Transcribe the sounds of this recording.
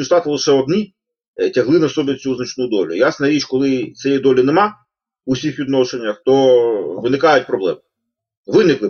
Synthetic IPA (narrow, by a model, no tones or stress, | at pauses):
iʃt̪ɑt̪ɪlˠɪʃɛɔd̪ni | tʲɐɦlˠɪnɐsɔbʲɪt͡sʲuznɐt͡ʃnujʊd̪ɔlʲʊ̰jasnɐɾʲit͡ʃkɔlˠɪt̪sʲɛjid̪ɔlʲinemɑ | ʊsʲixʋʲid̪nɔʃenʲːɐxt̪ɔʋɪnɪkɑjʊt̚ʲpɾɔblˠɛm | ʋɪnɪklˠɪ